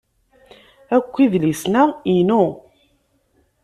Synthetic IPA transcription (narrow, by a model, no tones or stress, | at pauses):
ækʷːiðlisnæinu